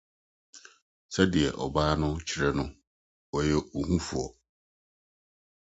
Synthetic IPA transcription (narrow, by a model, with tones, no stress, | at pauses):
sɛ˦dɪ˨ɛ̰˨ʔɔ˨baː˦nʊ̃˦t͡ɕʰɪ˦ɾɛ˦nʊ̃˦ | wɔ˨jɛ˦o˨ŋũ˦fu˨ɔ̰˨